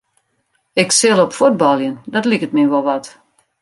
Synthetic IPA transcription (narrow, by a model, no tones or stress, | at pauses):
ɪksɪlɔpfud̚bɔlˠjəndɔtlikətmiʋolˠʋɔt